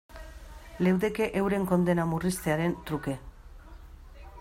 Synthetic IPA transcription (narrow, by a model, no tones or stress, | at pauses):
le̞wðe̞keʔewɾe̞ŋko̞nd̪e̞namurist̪e̞aɾe̞nt̪ɾuke̞